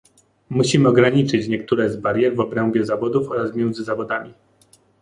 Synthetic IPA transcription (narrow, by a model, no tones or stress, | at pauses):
muɕimɘɔɡɾaɲit͡ʂɘt͡ɕɲɛkt̪uɾɛzbaɾjɛɾvɔbɾɛmbʲjɛzavɔd̪ufɔɾasmʲjɛnd̪zɘzavɔd̪amʲi